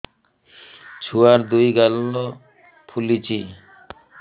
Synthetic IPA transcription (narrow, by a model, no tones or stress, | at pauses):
t͡ɕʰuaɾd̪ujɡalo | pʰulit͡ɕi